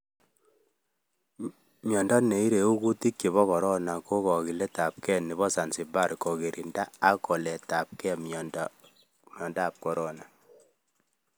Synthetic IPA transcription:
mjɔ˨ndɔ˦ne˨i˦ɾe˨u˦ku˦ti˦kji˨βɔ˦kɔ˨ɾɔ˦na˨ko˦kɔ˨ki˨le˦ta˨p̚kɛ˦ni˨βɔ˦sa˨nsi˨ba˦˨ɾkɔ˨ke˨ɾʔi˨nda˦a˦kɔ˨lɛ˨ta˨p̚kɛ˦m˨nd | mjɔ˨ndaː˦˨p̚kɔ˨ɾɔ˦na˨

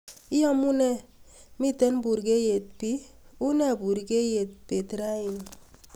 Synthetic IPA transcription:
i˦jɔ˦mu˦nɛ˦mi˦tɛ˦nbu˨ɾɡe˦je˨t̚pi˦u˦nɛ˦˨bu˨ɾɡe˦je˨t̚pe˨tɾa˦i˨n

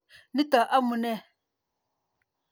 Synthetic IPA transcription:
ni˦ta˨ʔa˦mu˨nɛ˦˨

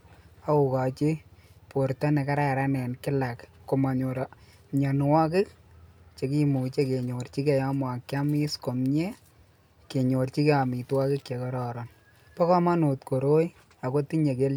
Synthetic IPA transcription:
a˦u˨ka˨t͡ʃi˦po˨ɾtɔ˦nɛ˨ka˦ɾa˨ɾa˦nɛ˨nkɪ˦la˨kko˨ma˨ɲo˨ɾɔ | ɲa˨nwɔ˦k̬ɪ˦k̚t͡ʃe˨ki˦mu˨t͡ʃe˦ke˨ɲo˨rt͡ʃi˦ke˨ja˦mwa˨kːa˦mi˦sko˨mɲe˦ | ke˨ɲo˨rt͡ʃi˦ke˦a˨mi˨twa˦kɪ˦kke˨kɔ˦ɾɔɾɔn | pɔ˦kɔ˦ma˦no˨tko˨ɾo˦j | a˨ko˦ti˦ɲe˨ke˦l

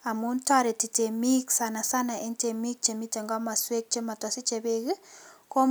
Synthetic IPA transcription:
a˨mu˨˦nta˦ɾe˨ti˨te˨mi˦ksa˨na˨sa˦na˨ʔɪ˦nte˨mi˦k̚t͡ʃe˨mi˦te˨ŋɡɔ˦ma˨swe˦k̚t͡ʃe˦ma˨tɔ˨si˦t͡ʃe˨be˦ki˦ko˦

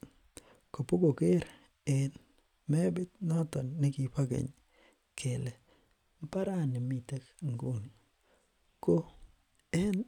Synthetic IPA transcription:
ko˨po˦ɡo˨ke˦ɾ | ɪ˦˨n | mɛ˦bɪ˦t̪nɔ˦t̪ɔ˨nːɪ˦ki˨pa˦ɡḛ˨ɲ | kʰe˨le˨ | m˦pa˦ɾa˦˨nɪ˨mi˨te˦kŋɡu˦˨n | ko˦ | ɛ˦n

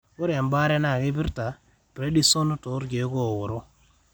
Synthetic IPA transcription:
ko˦ɾa˨mba˦ɾɛ˦na˦˨ke˦pi˦ɾta˨ | pɾe˦di˦so˦n˦to˨˦ɾɡe˨˦ko˦˨wʊ˨ɾo˦

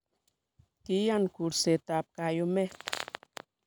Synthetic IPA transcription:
ki˦janku˨ɾse˨t̪ap̚kajome˦t

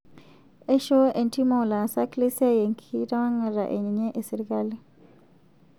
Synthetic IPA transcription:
ɛ˦ʃɔ˦ʔɛ˨nti˦mo˨la˨sa˦kle˦si˦a˦je˨ŋkʰi˦da˦ma˦ŋa˨ɾa̰˨ʔḛ˨ɲi˨ɲe˦ʔe˨si˨ɾika˦li˦

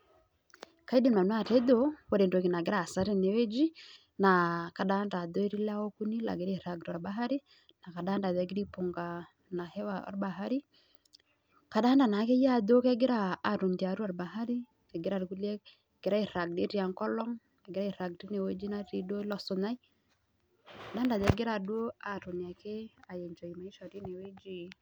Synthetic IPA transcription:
ka˨˦i˦de˦nma˨nwa˦˨tɛ˦do˦wo˨ɾe˨ndo˨ki˨na˨ɡɪ˦ɾa˨sa˦ɾe˦ne˨we˦d͡ʒi˦ | na˨ka˨da˦nda˨do˦i˦ɾi˦la˦wo˦ku˦ni˦la̰˨ɡɪ˦ɾa˦i˨ɾa˨ɡɾa˨ɾba˦ɦa˦ɾi˦ | na˨ka˨da˦nda˨ðɛ˦ɡɪ˦ɾi˦po˨ŋɡa˨ | na˨hɛ˦wa˨ɔ̰˨ɾba˨ɦa˦ɾi˦ | ka˨ɗa˦nda˨na˨˦ke˦ja˦˨do˦kɛ˦ɡɪ˦ɾa˦a˨to˨ndi˨a˨ɾu˦a˨ɾba˨ɦa˦ɾi˦ | kɛ˨ɡɪ˦ɾa˦˨ɾku˦le˦˨ | ɡ̥ɪ˨ɾa˦i˨ɾa˨ɡ̚di˦ɾi˦a˨ŋkɔ˦lɔ˦ŋ | ɛ˨ɡɪɾa˦i˨ɾa˨ɡti˦ne˨we˦d͡ʒi˦na˦ɾi˦do˦lɔ˨sʊ˨na˦i˦ | ka˨daː˦nda˨ðɛ˨˦ɡɪ˦ɾa˨dwo˦a˨ɾo˨nja˨ke˦a˨je˨ɲd͡ʒɔ˨i˨ma˨i˦ʃɔ˨ɾi˦ne˨we˦d͡ʒi˨

